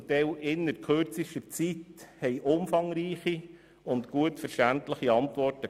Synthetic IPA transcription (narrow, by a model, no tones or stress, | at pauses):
tɛlʔɪnːəɾkʰørt͡siʃtət͡sithɛɪʔʊmfɑŋɾiːχi | ʊntkuətfəɾʃtæntləχiɑnt̪ʋɔrtə